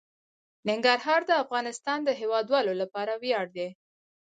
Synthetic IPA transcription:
nɪŋɡaɾɦɑɾd̪əafɣɑnɪst̪ɑnd̪əɦewɑd̪wɑlolapɑɾawjɑɽd̪e

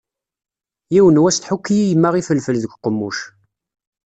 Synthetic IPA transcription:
jiwənwæsθħukːijijəmːaʁifəlfəlðəɡʷqːəmːuʃ

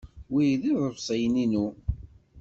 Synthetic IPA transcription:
wijðiðˤəfsˤəjninu

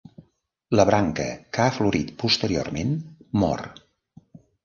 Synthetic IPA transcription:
ləβɾaŋkə̰kaəfluɾit̪pust̪əɾio̰rmenmɔ̰r

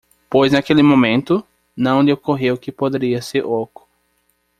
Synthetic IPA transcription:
pojznakelɪmõmẽnt̪ʊ | nɐ̃w̃lɪokoɦewkɪpod̪eɾiɐseɾʔokʊ̥

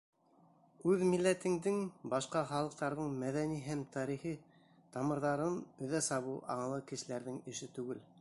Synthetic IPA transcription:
ʉðmilːæt̪ɘ̆ŋd̪ɘŋbɑʃqɑχɑlˠɤ̆q̚t̪ɑɾðɤɴmæðæniɦæmt̪ʰɑɾiχi | t̪ɑmɤ̆ɾðɑɾɤnɵ̆ðæsɑβɤwʔɑ̰ɴɤ̆lˠɤkɘ̆ʃɘ̆læɾðɘŋɘ̆ʃɘt̪ʉɡɘl

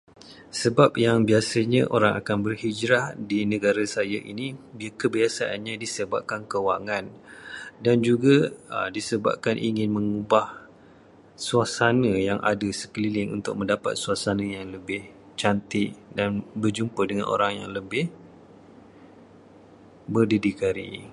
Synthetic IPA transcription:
səbap̚jaŋbiasəɲãʔoɾaŋa̰kanbərhid͡ʒɾahdinə̃ɡaɾasajaʔḭnibikəbiasaʔa̰nɲãdisəba̰p̚kankəwaŋãn | dand͡ʒuɡadisəba̰p̚kanʔḭŋɪnmə̃ŋubah | suasanəjaŋʔa̰dasə̥kəlilɪŋṵnt̪ʊk̚mə̃ndapa̰t̪̚suasanəjaŋləbɪh | t͡ʃant̪ɪʔdanbərd͡ʒumpədəŋanʔo̰ɾaŋja̰ŋləbɪh | bərdidikaɾḭ

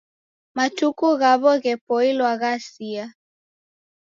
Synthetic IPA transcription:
matukuɣaβɔɣɛpɔilwaɣasia

